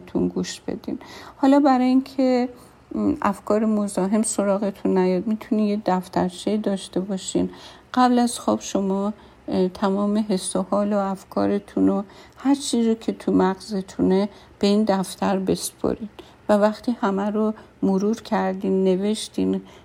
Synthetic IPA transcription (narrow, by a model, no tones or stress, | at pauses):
t̪ʰunɡuʃb̥ḛd̪ḭnhɒːlɒːbæɾɒːjinkʰe | æfkʰɒːɾemozɒːɦe̞mso̞ɾɒːɣe̞t̪ʰunːæjɒd̪mit̪ʰunijed̪æft̪ʰæɾt͡ʃʰeid̪ɒːʃt̪e̞bɒːʃinɢ̥æblæz̥xɔbʃomɒː | t̪ʰæmɒːmeɦe̞sohɒːloæfkʰɒ̰ːɾet̪ʰunohæɾt͡ʃʰiːzzokʰe̞t̪ʰumæɡzet̪ʰune | b̥e̞ind̪æft̪ʰæɾbe̞spʰo̰ɾid̪ | vævæxt̪iːhæmæɾo | moɾuɾcʰæɾd̪iːnːe̞ve̞ʃt̪in